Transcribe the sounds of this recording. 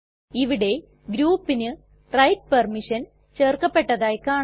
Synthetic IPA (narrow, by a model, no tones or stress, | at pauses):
iʋiɽe̞ | ɡɾuːpːinɨ | rɐjt̚pɐrmiʂɐn | t͡ɕe̞ːrkɐpːe̞ʈːɐðaːjkaː